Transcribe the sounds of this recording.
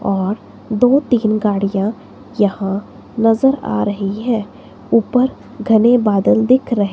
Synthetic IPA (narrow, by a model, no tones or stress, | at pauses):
ɔːɾ | d̪oːt̪iːnɡaːɽijã | jɐhã | nɐzəɾa̰ːɾɐɦiɦɛ̃ː | uːpəɾ | ɡʱɐnebaːd̪əld̪ɪkʰɾɐɦe